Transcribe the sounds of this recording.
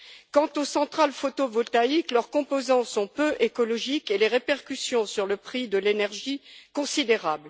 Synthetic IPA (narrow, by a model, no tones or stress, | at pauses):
kɑ̃t̪osɑ̃t̪χalfot̪ovɔt̪aiklœʁkɔ̃pozɑ̃sɔ̃pøʔekɔlɔʒikeleʁepɛʁkʲysjɔ̃syʁləpχid̪əlenɛʁʒikɔ̃sid̪eʁabl